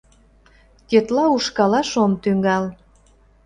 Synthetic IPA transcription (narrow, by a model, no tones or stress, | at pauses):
tʲet̪lɑuʃkɑlɑʃomt̪yŋɡɑl